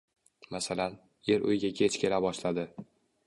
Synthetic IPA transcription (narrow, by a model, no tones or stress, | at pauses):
masalan | je̞ɾʔʊ̰jɪɡʲakʲʰet͡ʃkʲe̞labɒʃlad̪ɪ